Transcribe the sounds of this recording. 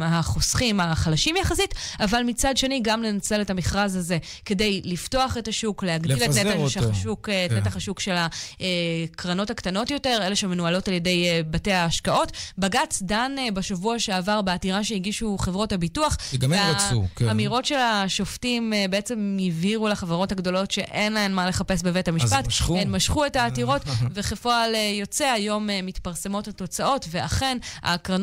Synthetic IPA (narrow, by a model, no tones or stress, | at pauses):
haχosχimaχalaʃimjaχasitavalmit͡sadʃe̞niɡamle̞nat͡se̞letamiχʁazhaze̞ke̞de̞jlifto̞aχe̞taʃukleaɡdileneaʃʃukːtnetaχaʃukʃe̞laekʁano̞taktano̞tjo̞te̞ʁeleʃemenualo̞talje̞de̞jbate̞aːʃkao̞tbaɡat͡sdanbaʃavuaʃeavaʁbeatiʁaʃehiɡiʃuχevʁo̞thabituaχveakamiʁo̞tʃelaʃo̞ftimbeet͡se̞mjiviʁulaχavaʁo̞thaɡdo̞lo̞tʃe̞ʔenlaenmale̞χape̞sbevethamiʃpatenmaʃχuetaːtiʁo̞tveχefoalejo̞t͡se̞ajo̞memitpaʁse̞mo̞thato̞t͡saʔo̞tve̞a̰χe̞na̰kʁan